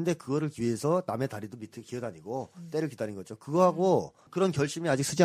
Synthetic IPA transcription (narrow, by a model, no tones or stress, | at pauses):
ɯnde̞kɯɡʌɾɯɭkie̞sʰʌname̞taɾidomitʰɯkiʌdaɲiɡot͈e̞ɾɯɭkidaɲinɡʌd͡ʑokɯɡʌɦaɡo | kɯɾʌnkjʌɭɕ͈imiad͡ʑiks͈ʰɯd͡ʑi